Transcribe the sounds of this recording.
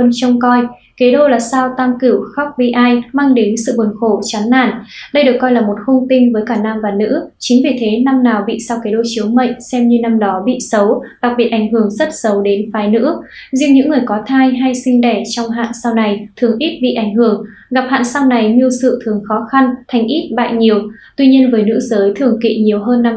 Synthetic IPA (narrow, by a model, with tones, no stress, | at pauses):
wə˧nt͡ɕə˧wŋ͡mkɔ˧j | ke˨˦ɗo˧laː˨˩saː˧wt̪a˧mki˧˩əwxa˦˥wk͡p̚ɓḭ˧˨ʔaː˧jmaː˧ŋɗe˨˦nsɨ̰˧˨ɓu˨˩ənxo˧˩t͡ɕa˨˦nːa̰ː˧˩nɗə˧jɗɨ˨˩əkːɔ˧jlaː˨˩mo˨˩t̚xʊ˧wŋ͡mt̪ï˧ŋ̟vəː˨˦jkaː˧˩naː˧mvaː˨˩nɨ̰˧˥t͡ɕï˨˦ŋ̟vi˨˩t̪ʰe˨˦na˧mnaː˨˩wɓḭ˧˨saː˧wke˨˦ɗo˧t͡ɕi˨˦əwmə̰˧˨jŋsɛ˧mɲɨ˧na˧mɗɔ˨˦ɓḭ˧˨sə˨˦wɗa˨˩k̚ɓi˨˩t̚ʔa˧˩jŋ̟hɨ˧˩əŋzə˦˥t̚sə˨˦wɗe˨˦nfaː˨˦jnɨ̰˧˥ | zi˧əŋɲɨ̰˧˥ŋːɨ˨˩əjkɔ˨˦t̪ʰaː˧jɦa˧jsï˧ŋ̟ɗɛ˧˩t͡ɕɔ˧wŋ͡mɦa̰ː˧˨nsa˧wna˨˩jt̪ʰɨ˨˩əŋʔi˦˥t̚ɓḭ˧˨ʔa˧˩jŋ̟hɨ˧˩əŋ | ɣa˨˩p̚ha̰ː˧˨nsa˧wna˨˩jɲɨ˧əsɨ̰˧˨t̪ʰɨ˨˩əŋxɔ˨˦xa˧nt̪ʰa˨˩jŋ̟ʔi˦˥t̚ɓa̰ː˧˨jɲi˨˩əw | t̪wi˧ɲi˧ənvəː˨˦jnɨ̰˧˥zəː˨˦jt̪ʰɨ˧˩əŋkḭ˧˨ɲi˨˩əwɦəː˧nːa˧m